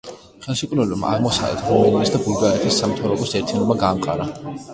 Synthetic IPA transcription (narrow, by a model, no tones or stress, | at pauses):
χɛlˠʃɛkʼud̪vɛlɛbmaa̰ʁmɔsa̰vlɛ̰t̪ʰɾumaniisd̪abuld̪aɾɛt̪ʰisːamt̪ʰavɾɔbɔsɛɾt̪ʰinɔbaɡaːmqʼa̰ɾa